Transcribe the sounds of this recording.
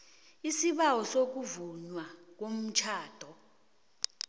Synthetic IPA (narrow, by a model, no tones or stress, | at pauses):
isiɓawɔsok̬uvuɲwak̬om̩t͡ʃʰaːd̥ʱɔ